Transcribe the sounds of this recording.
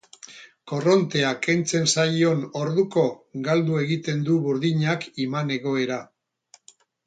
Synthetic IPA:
ko̞ro̞nt̪e̞ake̞nt͡se̞nsajo̞no̞ɾðuko̞ɡald̪ue̞ɣit̪e̞nd̪uβuɾðiɲakimane̞ɣo̞e̞ɾa

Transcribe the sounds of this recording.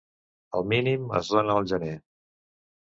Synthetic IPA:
əlˠminimə̰zðonəːlˠʒəne

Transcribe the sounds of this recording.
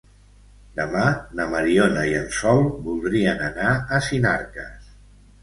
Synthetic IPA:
d̪əmanəməɾionəiənsɔlˠbulˠd̪ɾiənənaəsina̰ɾkəs

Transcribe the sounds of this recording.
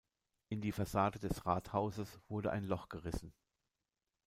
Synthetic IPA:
ʔɪndiːfasaːdədɛsʁaːthaʊzəsv̥ʊɐdəʔa̰ɪnlɔχɡ̥əʁɪsn̩

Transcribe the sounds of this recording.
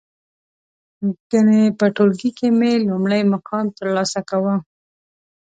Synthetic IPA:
ɡ̥ənepəʈolɡikemelumɽəjmakɑnt̪əɾlɑsakawə

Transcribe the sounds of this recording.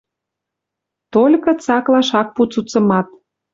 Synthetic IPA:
t̪olʲkɤ̆t͡sɑklɑʃɑk̚put͡sut͡sə̆mɑt̪

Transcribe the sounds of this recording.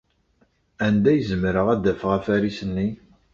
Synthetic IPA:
ænd̪æjəzəmɾəʁæd̪æfəʁæfæɾisənːi

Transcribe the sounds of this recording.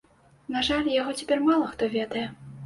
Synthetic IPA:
naʐalʲjaɣɔt͡sʲapʲɛrmalˠɐxt̪ɔvʲɛd̪ɐjɛ

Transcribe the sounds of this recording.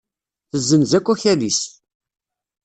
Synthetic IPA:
θəzːənzækʷːæçælis

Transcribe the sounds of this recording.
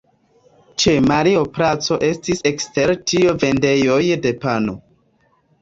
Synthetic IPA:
t͡ʃe̞maɾiopɾat͡so̞ʔe̞stise̞kste̞ɾtiove̞nde̞jo̞jde̞pano

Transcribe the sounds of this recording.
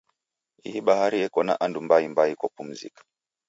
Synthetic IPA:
ḭhiɓahaɾiɛkɔna̰ʔandumbaimbaikɔpum̩zḭkḁ

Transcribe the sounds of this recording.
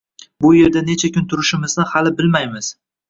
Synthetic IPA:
bʊjeɾd̪ane̞t͡ʃʰakʲʰʊnt̪ʰʊɾɪʃɪmɪznahalɪbɪlmajmɪz̥

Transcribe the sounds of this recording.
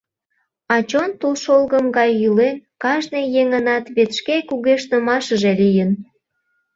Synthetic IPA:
ɑt͡ɕont̪ulʃolɣəmɡɑjːylenkɑʒnejeŋənɑt̪βet̪ʃkekuɣeʃnəmɑʃəʒelijən

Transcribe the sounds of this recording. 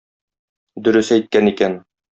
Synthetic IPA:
d̪ɵ̆ɾɵsæjt̪̚kænikæn

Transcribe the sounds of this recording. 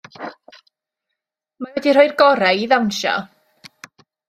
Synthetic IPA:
mawɛdirojrɡɔɾɛiðanʃɔ̰

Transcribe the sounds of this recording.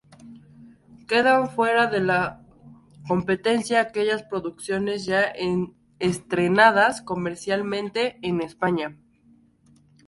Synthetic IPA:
ke̞ðaɱfwe̞ɾaðe̞la | ko̞mpe̞t̪e̞nsjaːke̞ʝaspɾo̞ðuksjo̞ne̞zʝaen | est̪ɾe̞naðasko̞me̞ɾsjalmẽnt̪e̞ːne̞spaɲa

